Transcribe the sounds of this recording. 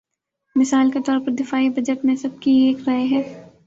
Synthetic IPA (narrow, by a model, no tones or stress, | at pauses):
mɪsaːlket̪ɔːɾpɐɾd̪ɪfaːibʱɐd͡ʒəʈmẽsɐb̚kieːkɾɐɦeɦɛː